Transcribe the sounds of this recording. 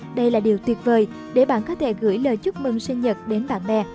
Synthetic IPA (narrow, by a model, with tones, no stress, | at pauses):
ɗə˧jlaː˨˩ɗi˨˩əwt̪wi˨˩ət̚vəː˨˩j | ɗe˧˩ɓa̰ː˧˨nkɔ˨˦t̪ʰḛ˧˩ɣɨ̰˧˩əjləː˨˩jt͡ɕʊ˦˥k͡p̚mɨ˨˩ŋsi˧nɲə˨˩t̚ɗe˨˦nɓa̰ː˧˨nɓɛ̰˧